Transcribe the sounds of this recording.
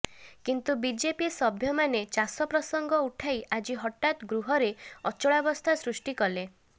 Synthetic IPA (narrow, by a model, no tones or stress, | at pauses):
kint̪ubid͡ʒepisɔbʱjɔmanet͡ʃasɔpɾɔsɔŋɡɔuʈʰajʔad͡ʒiɦɔʈːat̪ɡɾuɦɔɾeɔt͡ʃɔɭabɔst̪ʰasɾusʈikɔle